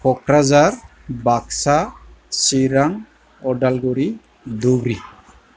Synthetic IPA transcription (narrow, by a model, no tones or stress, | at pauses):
pʰɔkɾazaɾ | baksasiɾaŋ | ɔɖalɡuɾi | d̪uɡɾi